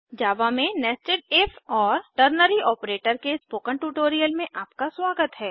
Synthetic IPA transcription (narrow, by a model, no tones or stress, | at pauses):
d͡ʒaːʋamẽnɛːsʈɪɖ̚efʰɔːɾʈəɾnəɾiʔɔːpɾeːʈəɾkespoːkə̃ɳʈuːʈoːɾijəlmẽʔaːpkaswaːɡət̪ɦɛː